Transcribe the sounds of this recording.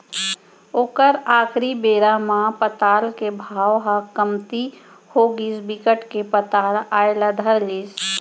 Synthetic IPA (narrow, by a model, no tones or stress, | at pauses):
oːkəɾaːkʰɾibeːɾamãpət̪aːlkebʱaːwɦakəmt̪i | hoːɡisbikəʈkepət̪aːlaːelad̪ʱəɾliːs